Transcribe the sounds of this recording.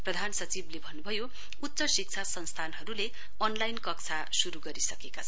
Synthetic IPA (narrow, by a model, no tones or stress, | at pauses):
prʌd̪ʱansʌt͡siblebʱʌnːubʱʌjo | ut̪ːsʌsik̚t͡sʰasʌnst̪ʰanɦʌɾule | ʌnlajnkʌkt͡sʰa | suɾuɡʌɾisʌkekat͡sʰʌ